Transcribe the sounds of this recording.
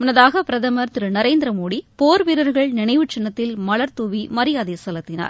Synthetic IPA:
mʊnːɐðaːɣɐpɪɾɐðɐmɐɾt̪ɪɾɯnɐɾeːnd̪ɪɾɐmoːɽipoːɾʋiɾɐɾɣɐɭnɪɳɐɪʋɯt͡ʃɐnːɐt̪ːɪlmɐɭɐɾt̪uːʋimɐɾɪjaːðeːsɐlɐt̪ːɪna̰ːɾ

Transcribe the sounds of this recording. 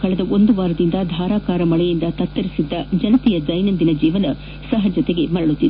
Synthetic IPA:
kɐɭɐd̪ɐʔo̞nd̪uʋaːɾɐd̪ind̪ɐd̪ʱaːɾaːkaːɾɐmɐɭɛjind̪ɐt̪ɐt̪ːɐɾisid̪ːɐd͡ʒɐnɐt̪ijɐd͡ʒɐjnɐnd̪inɐd͡ʒiːʋɐnɐ | sɐɦɐd͡ʒɐt̪eɡe̞mɐɽɐɭut̪ːid̪

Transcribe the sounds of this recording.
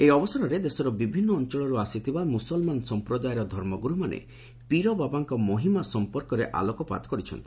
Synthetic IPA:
ejɔbɔsaɾɔɾed̪esɔɾɔbibʱinːɔːnt͡ʃɔɭɔɾuasit̪ʰibamusɔlmansɔmpɾɔd̪ajɔɾɔd̪ʱɔɾmɔɡuɾumanḛ | piɾɔbabaŋkɔmoɦimasɔmpɔɾkɔɾeʔa̰lɔkɔpa̰d̪ɔ̥kɔɾit͡ʃʰɔ̰nt̪ʰi̥

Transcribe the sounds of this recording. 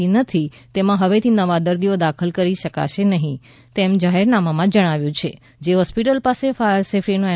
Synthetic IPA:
inət̪ʰi | t̪emãɦəʋet̪ʰinəʋad̪əɾd̪iod̪akʰəlkəɾiʃəka̰ʃenəɦĩ | t̪emd͡ʒaɦeɾnamamãd͡ʒəɽ̃aʋjũt͡ʃʰe | d͡ʒeɦɔspiʈəlpasefajəɾsefʰɾinũɛ

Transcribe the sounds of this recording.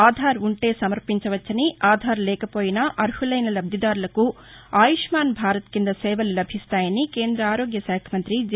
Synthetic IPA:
aːd̪ʱaːɾuɳʈe̞ːsɐmɐɾpiɲt͡ʃɐʋɐt͡ʃːɐniaːd̪ʱaːɾlɛːkɐpo̞ːjinɐʔɐɾhulɐjnɐlɐbd̪ʱɐd̪aːɾulɐku | aːjiʂmaːnbʱaːɾɐt̪kind̪ɐsɛːʋɐlulɐbʱist̪aːjɐnike̞ːnd̪ɾɐaːɾo̞ːɡjɐʃaːkʰɐmɐnt̪ɾid͡ʒ

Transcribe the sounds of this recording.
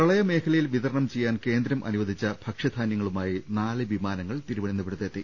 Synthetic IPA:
pɐɭɐjɐme̞ːkʰɐlɐjilʋit̪ɐɾɐɳɐmt͡ɕe̞jːaːnke̞ːnd̪ɾɐmʔɐ̰nuʋɐd̪ʱit͡ɕːɐb̥ʱɐkʂɐd̪ʱaːnjɐŋːɐɭumaːjinaːlɨʋimaːnɐŋːɐɭt̪iɾuʋɐɽinːupeɽut̪ːet̪ːi

